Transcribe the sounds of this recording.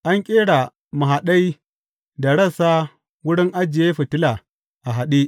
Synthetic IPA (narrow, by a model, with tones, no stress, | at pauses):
ʔa˦ŋkʲʼeː˦ɽa˨ | ma˨ɦa˨ɗa˦j | da˨ɽɐ˦˨sa˦ | wʊ˦ɽɪ˦ŋʔa˦d͡ʒɪ˨je˦ɸɐ˨tɪ˦la˨ | ʔa˨ɦa˨ɗi˦